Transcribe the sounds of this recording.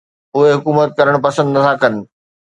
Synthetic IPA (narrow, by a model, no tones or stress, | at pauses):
ʊɦeɦʊkuːmət̪̚kɐɾəɽ̃pɐsə̃nd̪t̪ʰãkɐnɪ̆